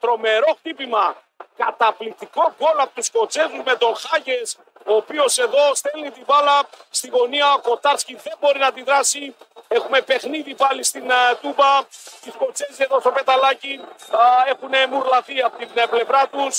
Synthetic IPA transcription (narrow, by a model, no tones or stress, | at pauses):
t̪ɾo̞me̞ɾo̞xt̪ipimɐ | kɐt̪ɐplik̚t̪iko̞ɡo̞lɐpot̪usko̞t͡se̞zuzme̞t̪o̞xɐʝe̞s | o̞ːpio̞se̞ðo̞st̪e̞lnit̪ivɐlɐst̪iɣo̞niɐoko̞t̪ɐɾsciðe̞mbo̞ɾinɐt̪iðɾɐsie̞xume̞pe̞xniðipɐlist̪int̪ubɐst̪isko̞t͡se̞zieðost̪ope̞t̪ɐlɐci | e̞xunemuɾlɐθiɐpot̪inple̞vɾɐt̪us